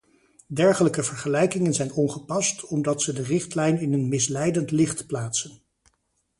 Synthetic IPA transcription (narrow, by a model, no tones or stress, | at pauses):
dɛɹχələkəvəɹχəlɛjkɪŋənzɛjnɔnχəpɑstɔmdɑtsədərɪχtlɛjnɪnənmɪslɛjdəntlɪχtplaːtsən